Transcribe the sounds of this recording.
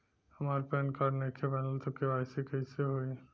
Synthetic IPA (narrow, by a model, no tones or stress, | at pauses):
hɐmaːɾpɛːnkɐɾnekʰepɛːnəlt̪okebaːɪsekɐiseɦoi